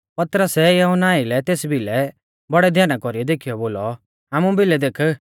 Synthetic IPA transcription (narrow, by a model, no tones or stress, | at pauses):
pɐt̪ɾəsɛjɛɦɔnaːilɛt̪eːsbʱilɛ | bɐɽɛd̪ʱjaːñakɔɾijɔd̪eːkʰijɔboːlɔ | ɦaːmũbʱɪlɛd̪eːkʰə